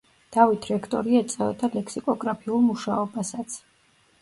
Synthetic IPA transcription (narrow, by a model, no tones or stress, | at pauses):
d̪̥avit̪ʰɾɛkʰt̪ʼɔ̰ɾiɛt̪sʼɛva̰d̪alɛksikʼɔɡɾapʰiulˠmuʃaɔbasat̪sʰ